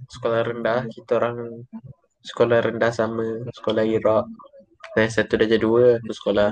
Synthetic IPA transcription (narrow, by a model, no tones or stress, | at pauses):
sə̥kolahrəndalahkit̪aoɾaŋ | sə̥kolahrəndahsaməsə̥kolahiɾɔʔ | sajasat̪udad͡ʒaduəkusə̥kolah